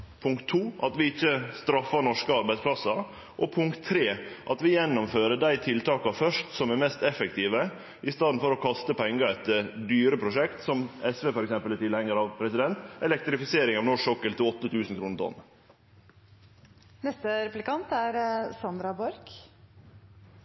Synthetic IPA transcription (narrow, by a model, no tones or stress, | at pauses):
pʰʊŋkt̪ʰːuːɑt̪ʋɪɪçːəst̪ɾɑfːɑnɔʂkəɑɾbæɪsplɑsɑ | ʔɔpʰʊŋkt̪ʰːɾeːʔɑt̪ʋɪjɛnːʊmføːɾəɖ̪æɪt̪ʰɪlt̪ʰɑːkɑfœʂtsɔmæɾmɛst̪ɛfɛk̚t̪ʰiːʋə | ʔɪst̪ɑːd̪n̩fɔɾɔkʰɑst̪əpʰɛŋɡɑɛt̪əd̪yːɾəpʰɾʊʂɛkt̪sɔmɛsʋeːfɔɾɛksɛmpəlæɾt̪ɪlhɛŋːəɾɑʋpʰɾɛsɪd̪ɛnt̪ɛlɛk̚t̪ɾɪfɪseːɾɪŋɑʋnɔʂɔkːəlt̪ɪlɔt̪ːət̪ʰʉːsn̩kʰɾuːnət̪ɔ̰n | nɛst̪əɾɛplɪkɑnt̪æɾsɑnd̪ɾɑbɔɾk